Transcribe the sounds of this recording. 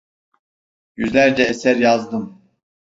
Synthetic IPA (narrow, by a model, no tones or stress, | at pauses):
jyzlʲæɾd͡ʒɛesæɾjazd̪ɯm